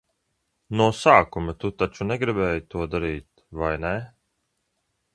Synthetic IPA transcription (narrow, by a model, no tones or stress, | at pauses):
nuɔsaːkumɨt̪ut̪at͡ʃunɛɡɾibɛːjit̪uɔd̪aɾiːt̪ | vajnɛ